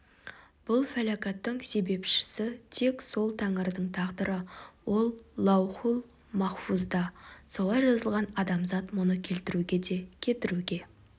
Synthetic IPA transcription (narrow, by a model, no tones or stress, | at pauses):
b̥ʊlˠfælakɑt̪ːəɴse̞be̞pʃɪ̥sɪt̪ʰe̞kso̞lˠt̪ʰɑŋəɾd̪əɴt̪ʰɑʁd̪əɾəwo̞lˠːɑwχulˠ | mɑχfuzd̪ɑso̞lˠɑjʒɑzəlˠʁɑnɑd̪ɑmzɑt̪mʊnəkʲʰe̞lt̪ɪɾuɡʲe̞d̪e̞kʲʰe̞t̪ɪɾuɡʲe̞